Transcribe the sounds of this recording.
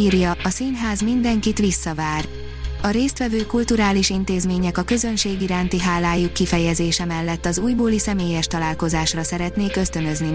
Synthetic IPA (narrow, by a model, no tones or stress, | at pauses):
iɾjɒɒsinɦaːzmind̪ɛŋkit̪ʋisːɒvaːr | ɒɾeːst̪ʋɛvøːkult̪uɾaːliʃint̪eːzmeːɲɛkɒkø̞zø̞nʃeːɡiɾaːnt̪iɦaːlaːjukːifɛjɛzeːʃɛmɛlːɛt̪ːɒzuːjboːlisɛmeːjɛʃt̪ɒlaːlko̞zaːʃrɒsɛɾɛt̪neːkø̞st̪ø̞nøzni